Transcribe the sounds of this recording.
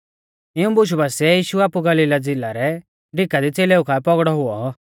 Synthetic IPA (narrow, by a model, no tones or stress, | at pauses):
ɪũbʊʃ̬ubaːsiɛjiːʃuaːpuɡɐliːlad͡zɪlaɾɛ | ɖʱɪkad̪it͡seːleːukʰapɔɡɽɔɦʊɔ